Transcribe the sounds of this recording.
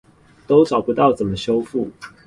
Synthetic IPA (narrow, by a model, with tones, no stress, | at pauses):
t̪o˦ʊʈ͡ʂɑ˨˩ʊpu˧˦t̪ɑ˥˨ʊt͡sə˨˩nmə˦ɕjo˥˦ʊfu˥˩